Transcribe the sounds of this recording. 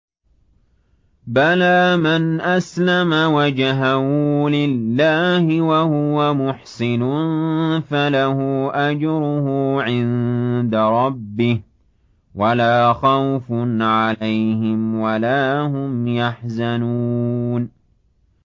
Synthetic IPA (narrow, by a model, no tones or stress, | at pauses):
balaːmanʔaslamawad͡ʒaɦamuːlɪlːaːhɪwahʊwamʊħsɪnʊnfalahuːʔad͡ʒɾʊhuːʕɪnd̪aɾˤɑbːɪh | walaːxawfʊnʕalajhɪmwalaːhʊmjaħzanuːn